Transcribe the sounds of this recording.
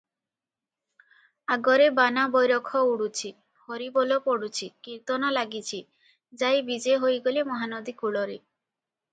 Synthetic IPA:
aɡɔɾebanabɔjɾɔkʰɔuɽut͡ʃʰi | hɔɾibolopɔɽut͡ʃʰikiɾt̪ɔnɔlaɡit͡ʃʰi | d͡ʒajbid͡ʒeɦojɡolimɔɦanɔd̪ikuɭɔɾe

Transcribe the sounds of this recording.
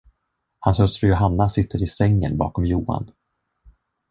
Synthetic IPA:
hanshœst̪ɾəjʊɦanːasɪt̪ʰːəɾɪsɛŋːə̰nbɑ̰ːkɔmjuːa̰n

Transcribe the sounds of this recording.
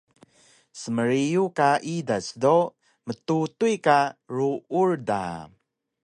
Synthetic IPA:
səməɾijukaʔidasdo | mətutuikaɾuurda̰

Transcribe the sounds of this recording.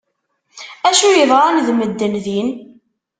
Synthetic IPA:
æʃʊjəðˤɾˤanðməd̪ːənðin

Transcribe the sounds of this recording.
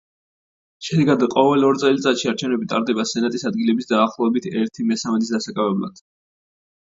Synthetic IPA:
ʃɛd̪ɛɡad̪qʼɔvɛlɔɾt̪sʼɛlit̪sʼat̪ʃiaɾt͡ʃʰɛvnɛbit̪ʼa̰ɾd̪ɛbasɛnat̪ʼisad̪̚ɡilɛbisd̪aːχlˠɔɛbit̪ʰɛɾt̪ʰimɛsamɛt̪ʼisd̪asakʼavɛbla̰d̪̥

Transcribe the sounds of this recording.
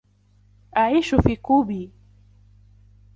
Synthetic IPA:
ʔaʕiːʃʊfiːquːbiː

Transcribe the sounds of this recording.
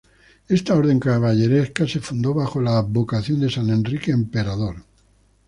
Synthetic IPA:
e̞st̪ao̞ɾðe̞ŋkaβaʎe̞ɾehkase̞fund̪o̞βaxo̞laβokaθjo̞nd̪e̞sane̞nrikeːmpeɾað̞o̞ɾ

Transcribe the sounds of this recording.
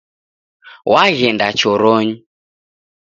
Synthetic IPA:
waɣɛndat͡ʃɔɾɔɲu

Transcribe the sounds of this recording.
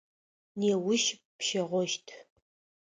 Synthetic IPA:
neːwʊʃ | pʃɐʁʷɔʃtʰ

